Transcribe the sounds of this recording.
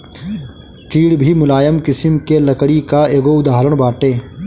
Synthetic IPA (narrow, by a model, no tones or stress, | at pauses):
t͡ʃiːɽbʱimʊlaːjəmkɪsɪmkelɐkɽikaeːɡoʊd̪aːɦɾəɽ̃baːʈẽː